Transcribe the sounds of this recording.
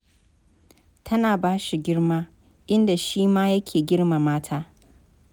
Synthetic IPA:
tʰɐ˦naː˨baː˦ʃi˨ɡʲɪ˦ɽmaː˦ | ʔɪ˦nda˨ʃiː˦maː˦jɐ˦kʲʰeː˨ɡʲɪ˦ɽma˨maː˦tʰaː˦

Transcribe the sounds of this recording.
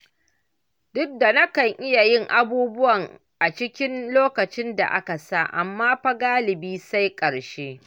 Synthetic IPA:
dʊ˦k̚da˨nɐ˦kɐ˨ŋʔɪ˦ja˨jɪ˦ŋʔa˦buː˦bʊ˦wɐ˨ŋ | ʔa˨t͡ʃɪ˦kʲɪ˦nloː˦kɐ˨t͡ʃɪ˦nda̰˨ʔa˦ka˨sa˦˨ʔa˨mːaː˦ɸa˦ɡaː˦lɪ˨biː˦sa˦jkʼɐ˨ɽʃeː˦

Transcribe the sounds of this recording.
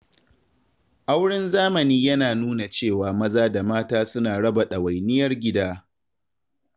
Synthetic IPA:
ʔa˦wɽɪ˦nzaː˦mɐ˨niː˦jɐ˦naː˨nuː˦na˨t͡ʃeː˦˨waː˨mɐ˦zaː˦da˨maː˦taː˦sʊ˦naː˨ɽɐ˦ba˨ɗɐ˨wa˨jnɪ˦jɐ˦rɡʲɪ˦daː˦

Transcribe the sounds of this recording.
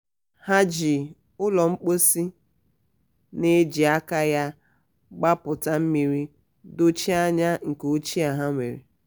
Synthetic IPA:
ha˦d͡ʒi˨ | ʊ˦lɔ˨ŋ͡m̩˦k͡po˦si˦ | ne˦d͡ʒi˨a˦ka˦ja˦ | ɡ͡ba˦pʊ˨ta˨m̩˦mi˨ɾi˦ | do˦t͡ʃi˦a˦ɲa˦ŋ̩˨ko˦t͡ʃi˦a˨ɦa˦ŋʷḛ˨ɾḛ˨

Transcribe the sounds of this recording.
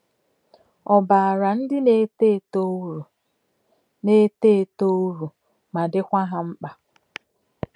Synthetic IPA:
ɔ˨ba˨a˨ɾa˨n̩˦dɪ˦ne˦te˦˨t | ne˦te˦˨to˦u˦ɾu˨ | ma˨dɪ˦kʷa˦ɦa˦ŋ͡m̩˦k͡pa˨

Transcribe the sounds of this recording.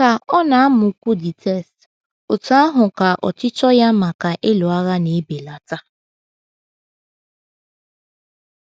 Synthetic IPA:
ka˨ɔ˦na˨a˦mʊ˨˦kʷu˦dɪ˨tʰɛ˦˨st | o˨ta˦a˦ɦʊ˨ka˨ʔɔ̰˨t͡ʃɪ˦t͡ʃɔ˦ja˦ma˨ka˨ʔe˦lo˨a˦ɣa˦ne˨˦be˨la˨ta˦

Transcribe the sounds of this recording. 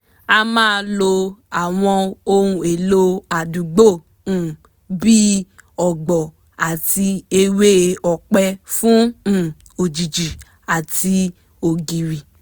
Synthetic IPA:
a˧mãː˦˧lo˧a˨w̃ɔ̃˧o˧ɾũ˧e˨lo˧a˨dũ˨ɡ͡bo˦˨ | ũ˨ | bi˦ɔ˨ɡ͡bɔ˨ | a˨ti˧e˧we˦˧ɔ˨k͡pɛ˧fũ˦˨ | o˨d͡ʒi˨d͡ʒi˨ | a˨tʰi˧ | o˨ɡi˨ɾi˨

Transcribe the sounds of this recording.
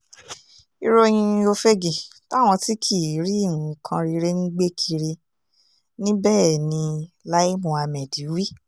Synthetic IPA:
i˧ɾo˦˧j̃ĩ˧o˧fe˦ɡĩ˨ta˦˨w̃ɔ̃˧ti˦kʰi˦˨˦ɾi˦˨ũ˨˧kʰã˧ɾi˧ɾe˦nĩ˦ɡ͡be˦kʰi˧ɾi˧ | nĩ˦bɛː˦˨nĩ˧la˦i˦mũ˧˦a˧mɛ̃˨di˨˦wi˦

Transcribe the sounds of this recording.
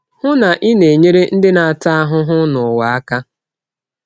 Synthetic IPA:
hʊ˦na˨ʔɪ˦ne˨ɲe˦ɾe˦n̩˦dɪ˦na˨a˨ta˦a˦ɦʊ˦ɦʊ˦nʊ˨wa˨a˦ka˦

